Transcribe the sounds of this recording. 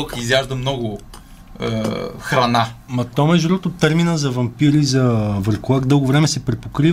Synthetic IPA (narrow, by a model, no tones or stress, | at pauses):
lˠkəizjaʒd̪əmnɔɡʊ̰ | xɾɐnamɐt̪ɔmɛʒuɾɔt̪ot̪ːəɾminəzɐvɐmpiɾizɐvəɾkolˠaɡd̪ɤlˠɡovɾɛmɛsɛpɾɛpokɾi